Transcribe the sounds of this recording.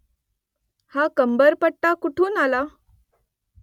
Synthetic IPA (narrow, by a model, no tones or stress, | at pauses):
hakəmbəɾpəɽʈːakuʈʰuːnala